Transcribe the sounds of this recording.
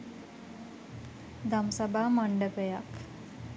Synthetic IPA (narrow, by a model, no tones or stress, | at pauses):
d̪amsəbʱaːməɳɖəpejak